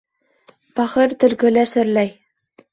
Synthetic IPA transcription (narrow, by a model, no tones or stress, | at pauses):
pɑχɤ̆rt̪ɘ̆lɡɘ̆lʲæʃɘ̆rlæj